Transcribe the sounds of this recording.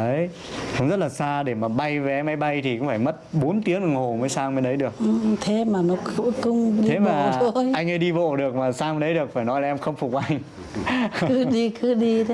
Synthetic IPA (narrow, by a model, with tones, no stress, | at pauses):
ʔə˨˦j | sə˨˧˦wŋ͡mzə˦˥t̚laː˨˩saː˧ɗe˧˩maː˨˩ɓa˧jvɛ˨˦ma˨˧˦jɓa˧jt̪ʰi˨˩kʊ̰˧˥ŋ͡mfaː˧˩jmə˦˥t̚ɓo˨˦nt̪i˨˦ənʔɨ˧˩ŋho˨˩məː˨˦jsaː˧ŋme˧nɗə˨˦jɗɨ˨˩ək̚t̪ʰe˨˦maː˨˩nɔ˨˦kɨ̰˧˥kʊ˧ŋ͡mɗie˧˨˦maː˨˩˨t̪ʰjʔa˧jŋ̟ʔə˨˦ɗi˧vo̰˧˨ɗɨ˨˩ək̚maː˨˩saː˧ŋme˧nɗə˨˦jɗɨ˨˩ək̚faː˧˩jnɔ˨˦jlaː˨˩ʔɛ˧mxə˧wŋ͡mfʊ˨˩k̚ʔa˧jŋ̟ | kɨ˨˦ɗi˧kɨ˨˦ɗi˧t̪ʰ